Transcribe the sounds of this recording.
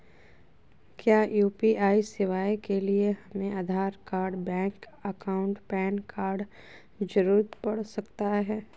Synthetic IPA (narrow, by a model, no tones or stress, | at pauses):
kjaːjuːpiʔaːisɪʋaːjkelieɦɐmẽʔaːd̪ʱaːɾkaːɾɖbɛ̃ːŋk | əkaːʊ̃ɳʈpɛːnkaːɾɖ | d͡ʒəɾuːɾət̪pɐɽ̤sɐkt̪aɦɛː